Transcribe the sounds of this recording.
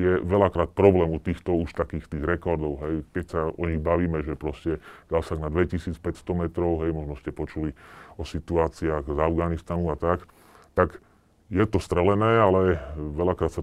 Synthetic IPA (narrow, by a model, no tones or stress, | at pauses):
jɛʋɛlakɾaːt̪̚pɾɔblɛːmut̪iːxt̪ɔuʃt̪akiːxt̪iːɣɾɛkɔɾd̪ɔʊɦɛjkɛcsaɔɲiɣbaʋiːmɛʒɛpɾɔscɛd̪asaɡnad̪ʋɛcisiːt͡spɛcst̪ɔmɛt̪ɾɔʊɦɛjmɔʒnɔscɛpɔt͡ʃuliɔsit̪uaːt͡siaɣzavɡanist̪anuat̪ak | t̪aɡ | jɛt̪ɔst̪ɾɛlɛnɛːalɛʋɛlakɾaːt̪sa